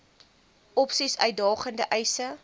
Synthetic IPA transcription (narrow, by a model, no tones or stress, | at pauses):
ɔpsisœ̰ɥ̚dɑːχəndəʔɛjsə